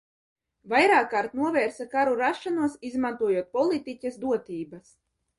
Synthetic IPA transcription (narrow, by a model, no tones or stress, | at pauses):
vajɾaːkːaːɾt̪nuɔvɛːɾsakaɾuɾaʃːanuɔsizmant̪uɔjuɔt̪̚pɔlˠit̪icʲasd̪uɔt̪iːbas